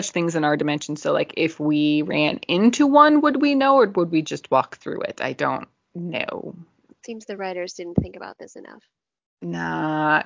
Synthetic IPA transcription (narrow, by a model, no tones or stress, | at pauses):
ʌt͡ʃθɪ̃ŋzɨ̃naʊə˞dɨmɛ̃nʃn̩z̥soʊlaɪkɪfwiɹæ̃nɪ̃ntʰuwʌ̃nwəd̚winoʊə˞wəd̚wid͡ʒʌst̚wɔk̚θɹʉ̰ɪ̰ta̰ɪdõ̰ʊ̃nː | o̰ʊ | tsĩmzðɨɹaɪɾə˞zdɪdⁿn̩θɪ̃ŋkɨba̰ʊt̪̚ðɪsɨnʌ̰f | nət̚